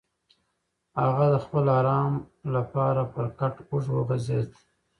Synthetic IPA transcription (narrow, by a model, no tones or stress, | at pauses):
haɣad̪əxpəlɑːɾɑːmlapɑːɾapəɾkaʈʊʐwəɣazed̪